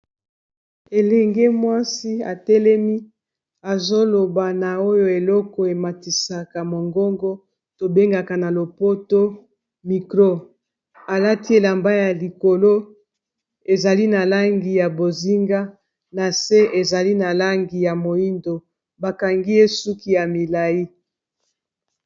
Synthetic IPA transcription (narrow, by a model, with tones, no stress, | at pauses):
e˨lɛ˨ŋɡe˦mwa˦si˦a̰˨tɛ˦lɛ˦mi˦ | a˨zo˦lo˨ba˨na˨o˦jo˦˨e˨lɔ˦kɔ˨e˨ma˨ti˨sa˨ka˨mo˨ŋɡɔ˦ŋɡɔ˦ | to˨be˦ŋɡa˨ka˨na˨lo˨po˦to˦ | mi˨kʁo˦ | a˨la˦ti˦e˨la˨mba˦ja˨li˨ko˨lo˦ | e˨za˨li˦na˨la˦ŋɡi˨ja˨bo˨zi˦ŋɡa˦ | na˨se˦ʔe˨za˨li˦na˨la˦ŋɡi˨ja˨mo˨i˦ndo˨ | ba˨ka˨ŋɡi˦e˦su˦ki˦ja˨mi˨la˨i˦